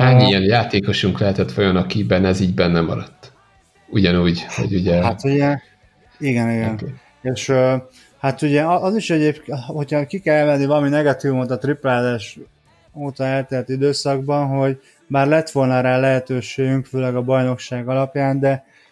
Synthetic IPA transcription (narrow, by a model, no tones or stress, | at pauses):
aːɲiiɛnjaːt̪eːko̞ʃuŋklɛɦɛt̪ɛt̪ʋɒjonɒkibɛnɛziːɟbɛnːɛmɒ̰ɾɒt̪ː | uɟɒnuːɟho̰ɟuɟɛhat̪hu | iɡɛniɡɛn | eːʃø | hat̪uɟɛʔɒziʃɛɟeːpkho̞cʰɒkikɛlɛmɛnivɒlɒminɛɡɒt̪ivumot̪ɒt̪riplaːzaːʃ | oːt̪ɒɛlt̪ɛrt̪id̪øːsɒɡbɒnɦo̞ɟ | baːrlɛt̪ʋo̞lnɒɾaːlɛɦɛt̪øːʃeːɡyŋkføːlɛɡɒbɒjno̞kʃaːɡɒlɒpjaːnd̪ɛ